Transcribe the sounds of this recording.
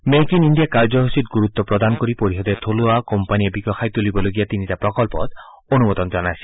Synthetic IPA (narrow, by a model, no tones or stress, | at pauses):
mekinindijakaɾd͡ʒɔɦosit̪ɡuɾut̪ːɔpɾɔd̪anɔkɔɾipoɾisɔd̪et̪ʰoluakɔmpaniebiɡɔxʰajt̪ulibɔloɡijat̪initapɾɔkɔlpɔ̰t̪ | onumɔt̪ɔnd͡ʒɔnasi̥